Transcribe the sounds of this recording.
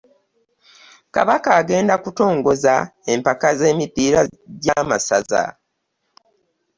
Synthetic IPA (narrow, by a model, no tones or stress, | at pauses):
ka̰βakaːɡe̞ːndakuto̞ːŋɡo̞zae̞mpakaze̞ːmipiːɾaɟamasa̰za̰